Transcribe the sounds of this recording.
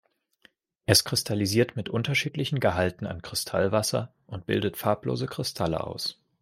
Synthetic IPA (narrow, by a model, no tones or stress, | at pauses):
ʔɛskʁ̥ɪstʰaliziːɐtmɪtʔʊntɐʃiːtlɪçn̩ɡəɦaltn̩a̰nkʁ̥ɪstʰalvasɐ̰ | ʔʊnt̚b̥ɪ̰ldətfaːɐplo̰ːzəkʁ̥ɪstʰalə̰ʔa̰ʊs